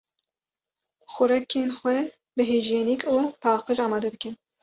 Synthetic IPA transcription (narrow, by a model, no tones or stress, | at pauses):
xʊɾɛkʰeːnxwɛ | bɨɦeːʒeːnikʰuːpʰɑːqɨʒɑːmɑːd̪ɛbɨkɨn